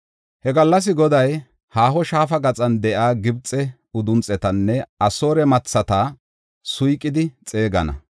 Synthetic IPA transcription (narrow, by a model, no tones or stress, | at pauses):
hɛɡɐlːɐs̬ɪɡɔd̪ɐj | haːhɔʃaːfɐɡɐt͡sʼɐnd̪ɛʔaːɡɪbt͡sʼɛ | ʊd̪ʊnt͡sʼːɛt̪ɐnːɛɐso̞ːɾɛmɐt͡sːɐt̪ɐ | sʊjkʼːɪd̪ɪt͡sʼe̞ːɡɐ̰nɐ̰